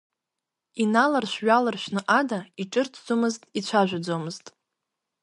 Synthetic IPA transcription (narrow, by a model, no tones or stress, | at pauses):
inalarʃʷᶣɥalarʃʷᶣnɨʔadaiʈ͡ʂʼɨrtʰd͡zomɨztʼit͡ɕʷʰaʒᶣʷad͡zomɨztʼ